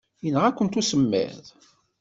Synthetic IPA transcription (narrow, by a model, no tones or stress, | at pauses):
jənːəʁækʷːənt̪usəmːḛð